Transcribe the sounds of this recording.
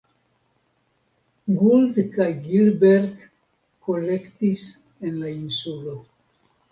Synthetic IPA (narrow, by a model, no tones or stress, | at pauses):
ɡuld̪kajɡilbeɾt̪ | kolekt̪is | enlainsulo